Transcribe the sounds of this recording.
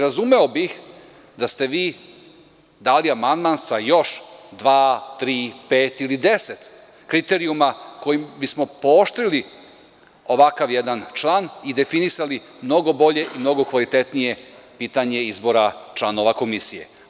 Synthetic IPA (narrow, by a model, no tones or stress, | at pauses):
ɾazume̞o̞bix | d̪ast̪e̞ʋiː | d̪aːliamand̪mansajo̞ʃd̪ʋaːt̪ɾiːpeːt̪ilid̪e̞se̞t̪ | kɾit̪e̞ɾiumako̞jimbismo̞pooʃt̪ɾili | o̞ʋakaʋjed̪ant͡ʃlˠaːnid̪e̞finisali | mno̞ɡo̞bo̞ʎe̞ʔimno̞ɡo̞kʋalit̪e̞t̪nije̞ | piːt̪aɲe̞izbo̞ɾat͡ʃlˠano̞ʋako̞misije̞̰